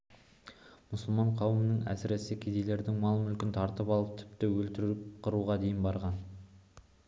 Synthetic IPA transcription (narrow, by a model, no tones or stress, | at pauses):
mʊsəlˠmɑɴqʰɑwəmənəɴæ̰sɪɾe̞sɪkʲʰed̪ejle̞ɾd̪ɪŋmɑlˠmʏlkʲɪnt̪ʰɑɾt̪əpɑlˠəp̚t̪ʰɪ̥pt̪ɪwɵlt̪ɪɾɪp̚qʰəɾuʁɑd̪e̞jɪnbɑɾʁɑn